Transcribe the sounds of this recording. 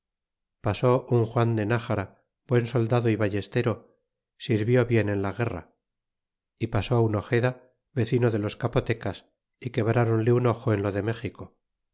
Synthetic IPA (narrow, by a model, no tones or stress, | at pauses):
paso̞ʔuŋxwand̪e̞naxaɾa | bwe̞nso̞ld̪aðo̞iβaje̞st̪e̞ɾo̞ | siɾβjo̞βje̞ne̞nlaɣe̞ra̰ | ipaso̞uno̞xe̞ða | βe̞θinoðe̞lo̞skapo̞t̪e̞kas | ike̞βɾaɾo̞nleuno̞xoe̞nlo̞ðe̞me̞χiko̞